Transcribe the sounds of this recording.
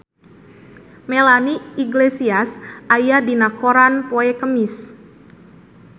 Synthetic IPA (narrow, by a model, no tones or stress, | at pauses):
melaniiɡlesiasʔajadinakoɾanpoɛkəmis